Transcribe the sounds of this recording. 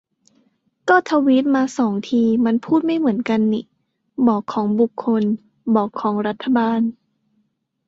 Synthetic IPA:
kɔː˥˩t̪ʰa˧wi˦˥t̪̚maː˧sɔː˩˦ŋt̪ʰiː˧ma˧˥npʰuː˥˩t̪̚ma˥˩jmɯ˩˦ənka˧nːiː˧˩ | bɔː˨˩kʰːɔː˩˦ŋbu˨˩kʰːo˧n | bɔː˨˩kʰːɔː˩˦ŋɾa˦˥t̪ʰːa˧baː˧n

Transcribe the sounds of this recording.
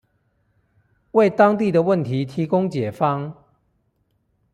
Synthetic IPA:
we˥˨ɪt̪ɑ˥˦ŋt̪i˥˨d̪ə˨wə˥˨nt̪ʰi˨˦t̪ʰi˨˦kʊ˥˦ŋt͡ɕjɛ˨˩fɑ˦ŋ

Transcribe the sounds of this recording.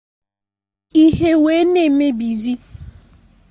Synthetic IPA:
i˦ɦe˦we˦ne˦˨me˦bi˨zi˦

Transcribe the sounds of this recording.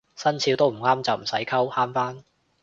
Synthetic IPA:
sɐ˥nt͡sʰiː˨˥wt̪o˥wm̩˨˩ŋaː˥mt͡sɐ˨wm̩˨˩sɐ˨˥jkʰɐ˥whaː˥mfaː˥n

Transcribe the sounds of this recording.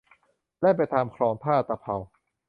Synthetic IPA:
lɛ˦˥pa˧jt̪ʰaː˧mkʰɾɔː˧˥ŋpʰaː˥˩˧t̪a˧˩pʰa˧w

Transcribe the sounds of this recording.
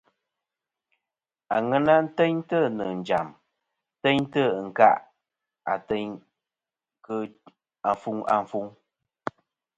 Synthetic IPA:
a˨ŋɛ˦na˦n̩˦tɛ˦ɲtə˦˨nə˨n̩˨d͡ʒa̰˨m˦ | tɛ˦ɲtə˦˨ŋ̩˨ka̰˦ʔ | a̰˨tɛ˦ɲ | kə˦ | a˨fu˦ŋa̰˨ɱ˨fu˦ŋ

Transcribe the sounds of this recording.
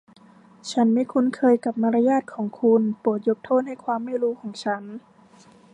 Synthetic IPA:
t͡ɕʰa˦˥nmiː˧˥˩kʰu˧nkʰɤː˧jka˨˩p̚ma˧ɾa˧jaː˥˩t̪̚kʰɔː˩˦ŋkʰu˧npɤː˨˩ət̪̚jo˧˥p̚t̪ʰoː˥˩t̪̚ha˥˩jkʰwaː˧mːa˥˩jɾuː˦˥kʰɔː˩˦ŋt͡ɕʰa˦˥n

